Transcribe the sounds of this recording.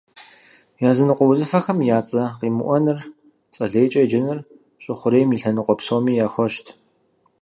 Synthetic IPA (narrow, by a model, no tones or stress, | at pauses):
jaːzɨnɨqʷɔwʊzɨfɐxɐmjaːt͡sʼɐqiːmɨ̰ʔʷɔnɨr | t͡sʼɐɮeːt͡ʃʼɐjd͡ʒɪnɨr | ɕʼɪχʷʊɾejmiːɬɐnɨqʷʼɔpsoːmiːjaːxʷɔʃtʰ